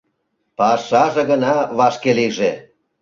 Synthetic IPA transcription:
pɑʃɑʒĕɣə̆nɑβɑʃkeliʒe

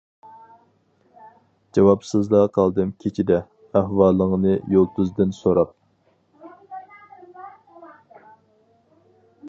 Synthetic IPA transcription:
d͡ʒɑwɑpsɨzlˠɑqʰɑlˠd̪ɨmkʲʰet͡ʃʰid̪ɛ | æhwɑːlˠːəŋənɨjolˠt̪ʰuzd̪ɨnsoɾɑp̚

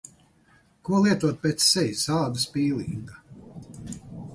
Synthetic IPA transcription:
kuɔlˠiɛt̪uɔt̪̚pʲeːt̪sːɛjʲisaːd̪aspiːlˠḭːŋɡa

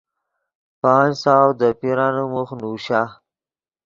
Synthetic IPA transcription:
pɑːnsawd̪əpiɾɑnumuxnuɕa

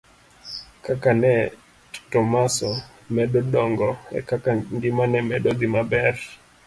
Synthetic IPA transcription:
kakanɛ | tɔmasɔ | mɛɗɔɗɔŋɡɔɛ̰kakaŋɡimanɛmɛɗɔd̪imabɛɾ

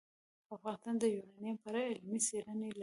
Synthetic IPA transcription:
afɣɑnɪst̪ɑnd̪əjunɑnjampaɾaɪlmiseɾənel

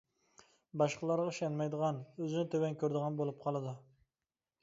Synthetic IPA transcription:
bɑʃqəlˠɑɾʁɑiʃɛnmɛjd̪əʁɑnøzɪnɪt̪ʰøwɛnkʲʰøɾd̪əʁɑnbolˠup̚qʰɑlˠɨd̪u

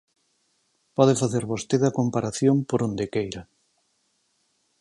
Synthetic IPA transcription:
pɔðefaθeɾβost̪eðɐkompaɾaθjompoɾõnd̪ekejɾɐ

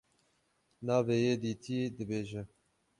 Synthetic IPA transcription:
nɑːveːjeːd̪iːt̪ʰiːd̪ɨbeːʒɛ

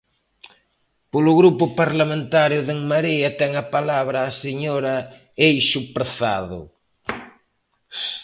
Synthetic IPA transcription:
polʊɣɾupʊpaɾlamẽnt̪aɾjʊðeŋmaɾiɐt̪ɛŋɐpalaβɾɐːseɲɔɾɐ | ejʃʊpɾeθa̰ðʊ̰

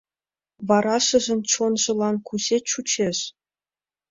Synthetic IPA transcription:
ʋɑɾɑʃɤ̆ʒɤ̆nʲt͡ɕonʒɤ̆lˠɑnkuzʲet͡ɕut͡ɕeʃ

